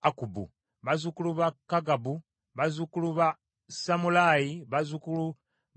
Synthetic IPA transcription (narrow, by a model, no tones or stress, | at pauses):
akubṵ | βazukuluβakːaɡabu | βazukuluβa | samulaːjiβazukulu